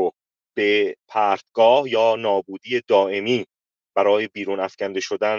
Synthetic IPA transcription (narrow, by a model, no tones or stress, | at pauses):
o | b̥epʰæːɾt̪ɡɒːhjɒːnɒːbuːd̪ije̞d̪ɒːʔe̞miː | b̥æɾɒːjebiːɾuːnæfcænd̪eʃod̪æn